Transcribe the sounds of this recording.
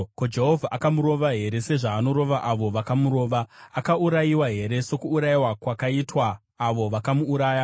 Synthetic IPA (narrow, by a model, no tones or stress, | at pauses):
kod͡ʒe̞ɦovʱaʔakamuɾo̞ʋaɦe̞ɾe̞se̞ʐaːno̞ɾo̞ʋaʔaʋo̞ʋakamuɾo̞ːʋaakauɾajiwaɦe̞ɾe̞so̞kuːɾajiwakwakaitwaː | ʋo̞ʋakamuːɾaːja